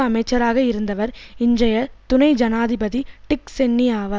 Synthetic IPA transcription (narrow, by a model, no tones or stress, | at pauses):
ɐmɐɪt͡ʃːɐɾaːɣɐɪɾɯnd̪ɐʋɐɾɪndrɐjɐt̪ʊnɐɪd͡ʒɐnaːðɪbɐðiʈɪksɛnːijaːʋɐ